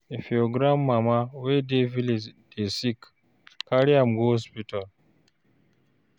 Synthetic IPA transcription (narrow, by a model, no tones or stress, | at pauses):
efioɡɾamːamawedevild̥esikː | aɾiamɡospital